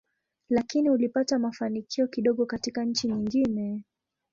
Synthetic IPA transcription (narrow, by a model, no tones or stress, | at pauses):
lakiniulipatamafanikʰiɔkiɗɔɠɔkatikaɲ̩t͡ʃiɲiŋɡinɛ